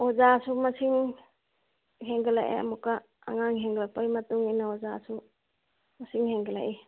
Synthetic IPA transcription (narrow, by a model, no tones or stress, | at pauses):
ozasumɐsiŋ | ɦeŋɡɯlaʔḛa̰mukːa | a̰ŋaŋɦeŋɡlak̚pajmɐtuŋinaozasu | mɐsiŋheŋɡelajʔe